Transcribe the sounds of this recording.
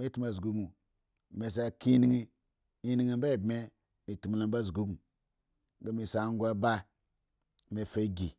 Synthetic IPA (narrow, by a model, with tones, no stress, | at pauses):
me˦tu˦ma˨zɡu˦ɡu˨ | me˨s̬a˨ki˦ni˦ŋi˦ | i˦ni˦ŋe˦mba˦˨bme˦ | mi˨tu˨m˨la˨m˦ba˦zu˨ɡu˦ɡu˨ | ɡa˨mi˨sa˨˦ŋ˦ɡʷa˦ba˦˨ | me˨fe˦ɡi˨